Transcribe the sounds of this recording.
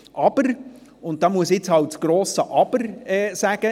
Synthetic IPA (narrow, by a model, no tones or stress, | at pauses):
ʔɑb̥əɾ | ʊnt̚d̥ɑːmuəsjɪt͡shɑlt̚t͡sɡ̥ɾoːsəʔɑb̥əɾɛːsæɡ̥ə